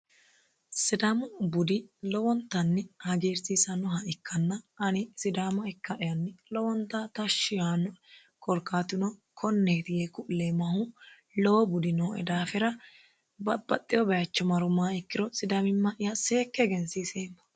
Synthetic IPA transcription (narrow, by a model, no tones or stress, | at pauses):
sɪd̪ɐmʊbʊd̪ɪlɔwɔnt̪ːɐnːɛhɐɡeːɾsiːsɐnɔɦɐʔɪkːɐnːɐɐnɪsɪd̪aːmɐɛkːɐʔɪjɐnːɛlɔwɔnt̪ːɐt̪ɐʃːɪjaːnɔ | kʰʼɔɾkːaːt̪ɪnɔkʰɔnːeːt̪ɪɡeːkʊleːmɐhʊ | lɔwɔbʊd̪ɪnoːɛ̰d̪aːfɛɾɐ | bɐbɐt̪ʼːɪjɔbɛjɐt͡ʃːɔmɐɾʊmaːɪkːɪɾɔsɪd̪ɐmɪmːɐʔɪjɐse̞ːkːɛɡɛnsiseːmːɐ̥